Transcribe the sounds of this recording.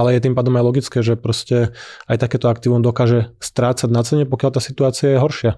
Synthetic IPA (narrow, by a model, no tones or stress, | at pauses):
alɛjɛt̪impaːd̪ɔmajlɔɡit͡skɛːʒɛpɾɔscɛajt̪akɛːt̪ɔakt̪iːʊɔmd̪ɔkaːʒɛst̪ɾaːt͡saɟnat͡sɛɲɛpɔkjalt̪aːsit̪uaːt͡siajɛɦɔɾʃɪa